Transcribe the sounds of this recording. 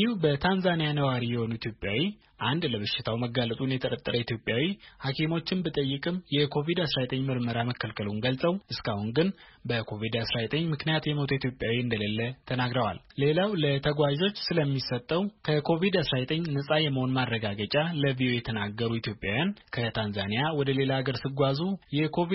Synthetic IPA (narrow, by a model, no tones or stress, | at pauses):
iubət̪ʰanzanijanəwaɾijɛho̞nuit̪jo̞pʼjawi | ʔand̪ləβɨʃɪt̪ʰawməɡːalət̪ʼunjɛt̪ʰəɾʼət̪ʼːəɾəit̪ʰjo̞pʼjawihakʰemo̞t͡ʃːɪnbət̪ʼəjːɪkʼɨmjɛkʰo̞vid̪asɾazet̪ʼəɲːmɨɾməɾaməkʰːəlkʰəlunɡəlsʼəwʔɨskʰahunɡɨnbəkʰo̞vid̪asɾazet̪ʼəɲːmɨknijat̪jɛmot̪ʰuit̪ʰjo̞pʼjawiɨnd̪əlelːət̪ʰənaɡɾəwa̰lle̞lawlət̪ʰəɡʷaʒo̞t͡ʃːsɨləmːisət̪ʼːəwkʰəkʰo̞vid̪asɾazet̪ʼəɲːnəsʼajɛmːəho̞nmaɾːəɡaɡət͡ʃʼaləviʔojɛt̪ʰənaɡəɾuit̪ʰjo̞pʼjawjankʰət̪ʰanzanijawɔd̪əle̞laːɡəɾsɨɡʷazujɛkʰo̞vi